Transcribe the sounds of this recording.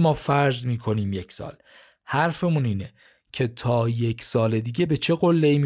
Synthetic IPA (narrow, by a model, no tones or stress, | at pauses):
mɒːfæɾzmiːkʰo̞niːmjecʰsɒ̰ːl | hæɾfe̞muniːne | cʰe̞t̪ʰɒːje̞cʰsɒːle̞d̪iːɡɟe̞be̞t͡ʃʰe̞ɣolːeiːmi